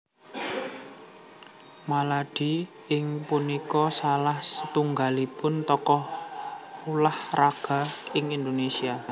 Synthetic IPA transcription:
malaɖ̥i̤ | ɪŋpunikɔsalahsət̪uŋɡalipʊnt̪ɔkɔh | ulahraɡ̥a̤ɪŋind̪onesia

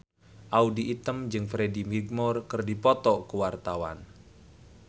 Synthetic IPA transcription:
ʔaudiʔːt̪əmd͡ʒɨŋfɾedimiɡ̚mɔrkɨrdipɔt̪ɔkuwart̪awa̰n

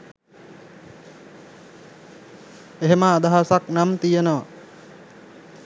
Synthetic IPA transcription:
eɦeməːd̪aɦasaknamt̪ijenəʋa

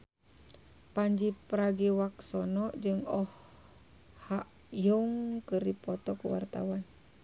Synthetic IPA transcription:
paɲd͡ʒipɾaɡiwaksɔnɔʔd͡ʒɨŋɔh | haʔ | juŋkəripɔt̪ɔkuwa̰rt̪a̰wan

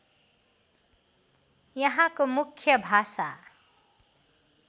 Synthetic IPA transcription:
jʌɦãkomukʰjəbʱasa

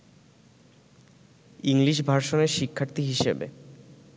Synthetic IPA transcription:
iŋliʃ̬bʱaɾʃoneɾʃikʰːaɾt̪iɦiʃebḛ

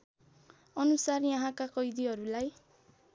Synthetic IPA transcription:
ʌnusarjaɦãkakʌjd̪iɦʌɾulaj

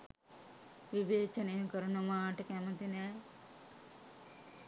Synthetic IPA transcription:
ʋiʋeːt͡ʃɐnejɐkɐɾunɐmaːʈɐkɛmɐnt̪inɛː

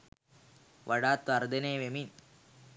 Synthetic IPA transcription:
ʋʔaɽaːt̪ʋaɾd̪eneːʋemin

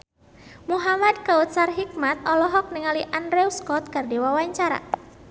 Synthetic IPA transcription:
muɦamad̪̚kaut̪sarɦik̚mat̪̚ɔlɔɦɔk̚niŋaliʔanɾewskɔt̪̚kardewawaɲt͡ʃaɾa̰

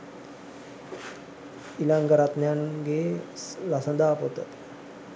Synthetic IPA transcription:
ilaŋɡəɾat̪nanɡelasənd̪apot̪ə

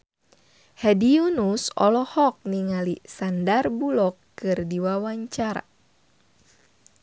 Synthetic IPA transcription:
hɛdiunusɔ̰lɔhɔk̚niŋalisandarbulɔkːɨrdiwawaɲt͡ʃaɾa̰

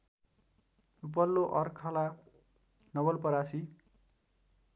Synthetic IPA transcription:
up̬ʌlːoʔʌrkʰʌla | nʌβʌlpʌɾasi

